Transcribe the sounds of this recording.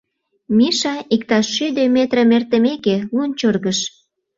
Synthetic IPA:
miʃɑik̚t̪ɑʃːyd̪ømet̪rəmert̪əmekelunt͡ɕorɣəʃ

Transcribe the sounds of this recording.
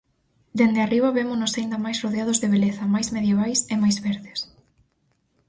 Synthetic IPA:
d̪end̪ɪariβɐβemʊnosaind̪ɐmajsroðeaðʊzðeβeleθɐmajzmeðjeβajsemajzβeɾðɪs

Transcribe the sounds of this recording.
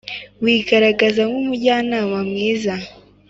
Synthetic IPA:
wiːɡaɾaɡazaŋɡumuɟaːnawamŋiːza

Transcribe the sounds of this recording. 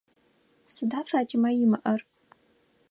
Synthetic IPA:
sɨdafaːtʰɪmajɪmɨʔɐr

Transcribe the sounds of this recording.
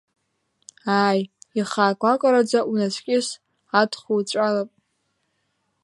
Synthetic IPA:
aːjiχaːkʷʼakʷʼaɾad͡zaʔunasʰʷʼkʲʼɪs | atʰχut͡ɕʷʼalapʼ

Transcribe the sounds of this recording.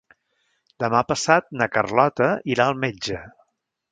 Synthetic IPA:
d̪əmapəsat̪̚nəkərlɔt̪əiɾaəlˠmed͡ʒə

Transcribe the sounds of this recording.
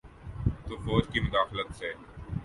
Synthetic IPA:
t̪ofoːd͡ʒkimʊd̪aːxlət̪seː

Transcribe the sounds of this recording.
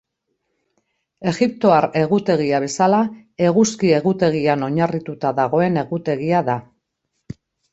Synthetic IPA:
e̞ɣip̚t̪o̞aɾe̞ɣut̪e̞ɣ̞iaβ̞e̞sala | e̞ɣuskie̞ɣut̪e̞ɣ̞iano̞ɲarit̪ut̪aðaɣ̞o̞e̞ne̞ɣut̪e̞ɣ̞iaða

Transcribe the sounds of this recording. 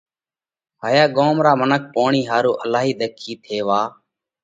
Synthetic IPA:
haːjaːɠoːmɾaːmənək̚poːɳiːɦaːɾoːʔəlaːɦiːɗ̪əkʰiːt̪ʰeːʋaː

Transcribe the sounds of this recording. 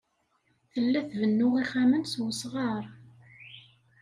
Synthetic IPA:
θəlːæθvənːʊʁiχamənswəsʁɑɾˤ

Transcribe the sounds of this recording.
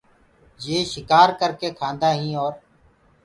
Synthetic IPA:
jeːʃɪkaːɾkəɾkeːkʰãːnd̪aːɦĩːoːɾ

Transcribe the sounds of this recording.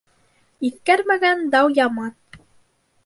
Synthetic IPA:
iθkæɾmæɡænd̪ɑwjɑmɑn

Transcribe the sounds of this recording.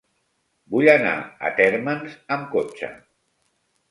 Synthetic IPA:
buʎana̰ə̰t̪ɛɾmənzəmkot͡ʃə̰

